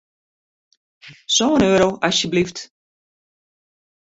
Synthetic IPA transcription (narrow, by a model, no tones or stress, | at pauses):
soənøːɾowʔasjəblift